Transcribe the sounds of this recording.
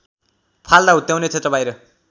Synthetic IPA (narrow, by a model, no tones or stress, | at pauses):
pʰald̪aɦut̪jawnet͡sʰet̪rʌbajɾʌ